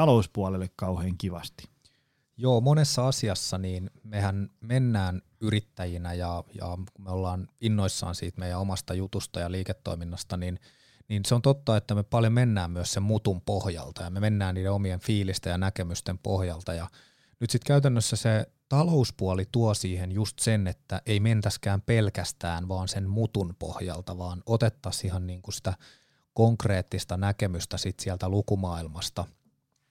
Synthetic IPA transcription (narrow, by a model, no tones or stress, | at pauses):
ɑlouspuɑlelːekkɑuheːŋkiʋɑst̪i̥ | joːmonesːɑɑsiɑsːɑniːnmehænmenːæːn | yrit̪ːæjinæjɑjɑ̰kumeolːɑːninːoisːɑ̰ːnsiːt̪meijæomɑst̪ɑjut̪ust̪ɑjɑliːket̪ːo̰iminːɑst̪ɑnin | niːnseont̪ot̪ːɑet̪ːæmepɑljomenːæːmmyøssemmut̪umpohjɑ̰lt̪ɑjɑmemenːæːnniːdeomienfiːlist̪ejɑnækemyst̪empo̰hjɑlt̪ɑjɑ | nyt̪sit̪kæyt̪ænːøsːæse | t̪ɑlouspuɑlit̪uɑsiːhenjust̪senet̪ːæʔeiment̪æskæːmpelkæst̪æːnʋɑːnsenmut̪unpo̰hjɑ̰lt̪ɑʋɑːnot̪et̪ːɑsihɑnniːŋkusi̥t̪æ | koŋkreːt̪ːist̪ɑnækemyst̪æsit̪siælt̪ælukumɑːilmɑst̪ɑ